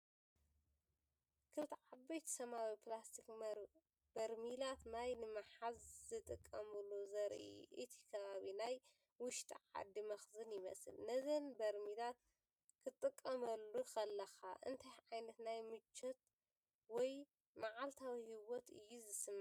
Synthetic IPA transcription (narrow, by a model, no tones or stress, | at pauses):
kʰɨlt̪ʰiʕabɐjt̪ʰsɐmawiplast̪ʰik | bɐɾmilat̪majnɨmɐħazzɨt̪ʼɨkʼːɐmɨlːuzɐɾʔḭʔɨ̰t̪ʰi̥kʰɐβaβinaj | wʊʃt̪ʰʼiʕa̰d̪ːimɐxzɨnjɪmɐ̰sɨ̰lnɐzɐnbɐɾmilat̪ | kʰɨt̪ʼːɨkʼːɐmɐlːuxɐlːɐxaʔɨ̰nt̪ʰajʕajnɐt̪najmɨt͡ʃʰːɐt̪̚ | wɔj | maʕalt̪ʰawihiwɔt̪ɨ̰jːuzɨsɨm